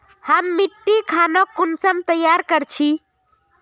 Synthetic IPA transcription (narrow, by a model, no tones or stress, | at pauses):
həmːiʈːikʰanɔkunsəmt̪əjaɾkəɾt͡ʃʰi